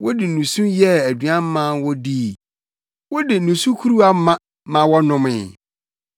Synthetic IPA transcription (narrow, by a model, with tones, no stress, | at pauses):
wɔ˦dɪ˨nũ˨sũ˦jɛ˦æ˨dɥã˦m˦mã˦wɔ˦di˦˨ | wɔ˦dɪ˨nũ˨sũ˦kʰu˦ɾu˦a˦mã˦ | mã˨wɔ˦nʊ̃˦mɪ̰̃˨